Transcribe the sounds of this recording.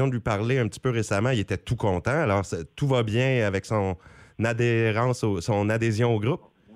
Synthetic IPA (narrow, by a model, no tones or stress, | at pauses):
jɔ̃d̪əlɥipaʁleɛ̃pət̪i̥pøʁesamãilet̪ɛt̪ukɔ̃t̪ãalɔːʁsɛt̪uvabjɛ̃avɛksɔ̃nad̪eʁɑ̃ːsosɔ̃nad̪ezjɔ̃oɡʁʊp̚